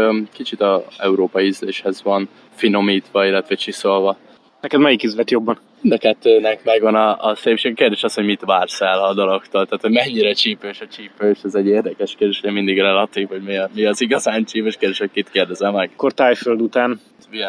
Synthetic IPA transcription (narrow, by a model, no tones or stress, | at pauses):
kit͡ʃit̪ɒɛuɾoːpɒjyzleːʃhɛzʋɒn | fino̞miːt̪ʋɒilːɛt̪ʋɛt͡ʃiso̞lvɒ | nɛkɛd̪mɛjikyzlɛt̪jo̞bːɒn | ind̪ɒkɛt̪ːøːnɛkmɛɡvɒnɒːseːpʃeːɡɛkeːrd̪eːʃɒsho̞ɟmit̪ʋaːrsɛlɒd̪ɒlo̞kt̪oːlt̪aːt̪ho̞ɟmɛɲːiɾɛt͡ʃiːpøːʃɒt͡ʃiːpøːʃɛzɛɟːeːrd̪ɛkɛʃkeːrd̪eːʃojɛmind̪iɡrɛlɒt̪iːvo̞ɟmimiɒziɡɒzaːnt͡ʃiːpøːʃkerd̪eʃɛhokit̪keːrd̪ɛzɛmːɛɡ̥kort̪aːjføld̪ut̪aːn | iɡɛ